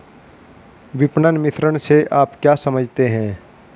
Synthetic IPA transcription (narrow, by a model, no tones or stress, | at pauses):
ʋɪpnənmɪt̪ʰɾəɽ̃seʔaːpkjaːsɐməd͡ʒʱt̪eɦɛ̃ː